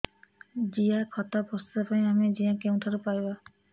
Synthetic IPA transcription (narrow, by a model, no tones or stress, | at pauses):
d͡ʒijakʰɔt̪abʱɔst̪t̪apaĩamid͡ʒijãkew̃t̪ʰɔɾupajba